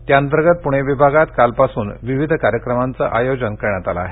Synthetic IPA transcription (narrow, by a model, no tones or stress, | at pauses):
t̪jaənt̪əɾɡət̪̚puɽ̃eʋibʱaɡat̪kalpasuːnʋiʋid̪ʱkaɾjəkɾəmant͡sa̰ʔajod͡ʑənkəɾɳjat̪ala̰ːɦe